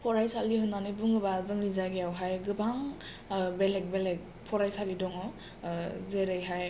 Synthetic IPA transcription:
pʰɔɾajsaldiɦɯnːanɯbuŋɯbazɯŋɾizaɡijawɦajɡɯbaŋ | belek̚belek̚ | pʰɔɾajsalidɔŋɔ | zeɾɯjɦaj

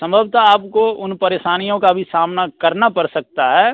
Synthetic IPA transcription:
sɐ̃mbʱəbt̪aaːp̚koʊnpɐɾeːʃaːnijõkabʱisaːmnakɐɾnapɐɾsɐk̚t̪aɦɛː

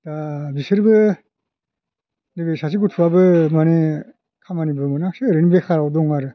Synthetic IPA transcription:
dabisɯɾbɯ | niɡɯjsas̬iɡutʰuwabɯmane | kʰamanibɯmɯnak̚sɯɾɯnibekʰaɾawdɔŋaɾɯ

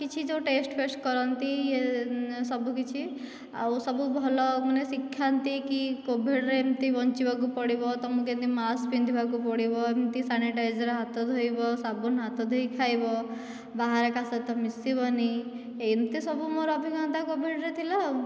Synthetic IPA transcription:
kit͡ʃʰid͡ʒewʈesʈpʰesʈkɔɾɔnt̪iesɔbukit͡ʃʰi | a̰wsɔbubʱɔlɔmanesikʰːjant̪ikikobʱiɽɾeemt̪ibɔnt͡ʃibʱak̬upɔɽibɔt̪ɔmukent̪imasbind̪ʱibʱakupɔɽibɔemt̪isaniʈajd͡ʒɔɾeɦat̪ɔd̪ʱojbɔsabunɦat̪ɔd̪ʱojkʰajbɔ | baɦaɾekasɔt̪ɔmisibɔni | ejnt̪isɔbumoɾɔɔbʱiɡʱɔnt̪akobʱiɽɾet̪ʰilaw

